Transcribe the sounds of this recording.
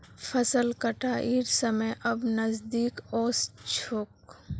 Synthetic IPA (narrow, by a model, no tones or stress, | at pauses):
fʰɐsəlkɐʈaʔiɾsəməjʔɐbnɐzd̪iːkɔːst͡ʃʰoːk̚